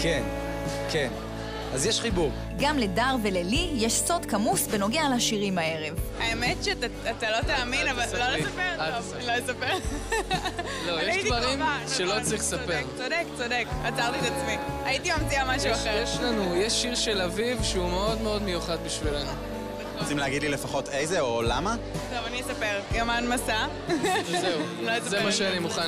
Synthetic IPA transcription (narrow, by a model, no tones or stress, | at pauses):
ken | kʰe̞n | azjeʃχibuʁ | ɡamle̞daʁve̞lelijeʃso̞dkamusveno̞ɡealaʃiʁimae̞ʁe̞vaemetʃetaat̪alot̪aːminnavallolesapeʁao | lolesapeʁ | lojeʃdvaʁimʃelot͡sʁiχlesapeʁodekt͡sodekat͡saʁt̪it̪at͡smiaitimamt͡siamaʃajeʃlanujeʃiʁʃelavivʃeumeo̞d̪meo̞d̪me̞juχad̪biʃvilenu | osimleaɡid̪lilefaχotejzeolama | tovaniesapeʁjamanmasa | zeu | lojszemaʃeanimuχa